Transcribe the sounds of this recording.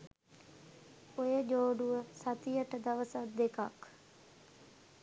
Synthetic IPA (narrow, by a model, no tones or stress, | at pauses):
ojəd͡ʒoːɖuʋəsɐt̪ijəʈəd̪ɐʋəsat̪̚d̪ekak